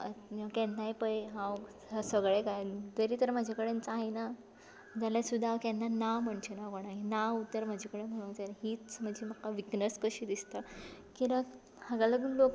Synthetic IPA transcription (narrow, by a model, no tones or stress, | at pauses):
əəkɛnajpəjɦãw | sʋəɡɭekajd̪əɾiːt̪əɾm̤ad͡ʑʱakəɽent͡saɦina | d͡ʑalasud̪ʱːakɛnːanaʋm̤əɳt͡ɕenakoɽ̃ainaʋut̪ːəɾm̤ad͡ʑʱikəɽem̤əɽ̃unt͡sanaɦiːt͡sm̤əɳd͡ʑiməkːaʋiknəskəɕiːd̪ist̪akiɾək | həɡaləɡuːnlok